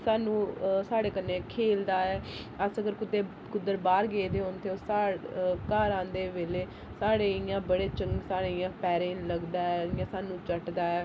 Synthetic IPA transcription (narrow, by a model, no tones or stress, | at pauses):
saːnũːsaːɽeːkənːẽːkʰeːld̪aːɛː | əsəɡəɾkʊt̪ːeː | kʊd̪əɾbaːɾɡeːd̪eːɦoːnt̪ʰeːoːsaːkaːɾãːnd̪eːʋeːleː | saːɽeːɪjãːbəɽeːt͡ʃəŋɡsaːɽeːɪjãːpɛːɾẽːnləɡd̪aːɛːɪjãːsaːnũːt͡ʃəʈd̪aːɛː